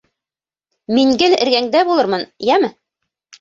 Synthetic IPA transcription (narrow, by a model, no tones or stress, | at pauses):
miŋɡɘlɘ̆ɾɡæŋd̪æbulˠɤɾmɤnjæmɘ